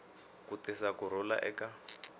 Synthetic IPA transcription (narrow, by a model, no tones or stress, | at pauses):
kutɛsakuɾɔla̰ʔɛka